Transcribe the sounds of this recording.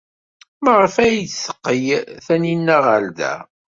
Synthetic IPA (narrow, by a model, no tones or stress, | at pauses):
məʁəfæjsːə̥qːəjθæninːæʁəld̪æ̰